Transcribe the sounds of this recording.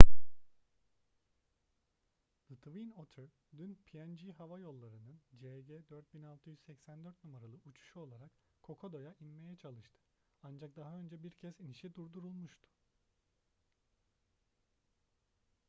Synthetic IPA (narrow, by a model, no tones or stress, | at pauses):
d̪ɯt̪vinot̪ʰøɾ | d̪ynpʰijɛnd͡ʒiɦavajo̞lˠːaɾɯnɯnd͡ʒeɟɛd̪øɾt̪̚binalˠt̪ʰɯjyzsɛcsænd̪øɾt̪̚numaɾalˠɯʔut͡ʃʰu̥ʃuo̞lˠaɾak | kʰːo̞kʰo̞d̪o̞jaʔinme̞jɛt͡ʃʰalˠɯʃt̪ʰɯ̥ | and͡ʒak̚d̪aɦaø̞nd͡ʒɛbiɾcʰɛziniʃid̪uɾd̪uɾulˠmuʃt̪ʰu̥